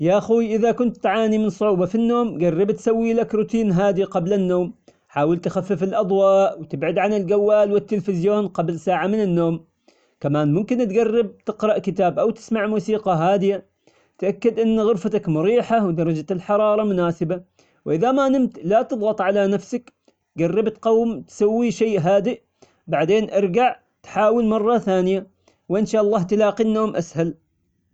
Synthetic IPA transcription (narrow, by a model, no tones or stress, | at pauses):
jaʔaxuːʔɪðakʊnt̪ːʕaːnimɪnsˤʊʕuːbɑfinːoːmɡarˤːɪbt̪sawːilakɾʊt̪iːnɦaːd̪iqɑblanːoːm | ħaːwɪlt̪xafːɪfɪlʔɑd̪ˤwɑːʔwt̪ɪbʕɪd̪ʕanɪlɡawːaːlwɪt̪ːɪlfɪzjoːnqɑblsaːʕamɪnɪnːoːm | kamaːnmʊmkɪnt̪ɡɑrːɪb̚t̪ɪqɾˤɑʔkɪt̪aːbʔawt̪ɪ̥smaʕmuːsiːqɑɦaːd̪ɪja | t̪ʔakːad̪ʔɪnːɣʊɾfat̪akmʊɾiːħawd̪ɑɾˤɑd͡ʒalħɑɾˤɑːɾˤɑmʊnaːsɪba | wʔɪðamaːnɪmt̪lat̪ɨðˤɣɑt̪ˤʕalanafsak | ɡɑrːɪbt̪qɑwːmt̪sawːiʃejʔɦaːd̪ɪʔ | baʕd̪eːnʔɑɾˤɡaʕ | t̪ħaːwɪlmɑrˤːɑθaːnɪja | wʔɪnʃaːʔɑlˤːɑːht̪laːqinːoːmʔashal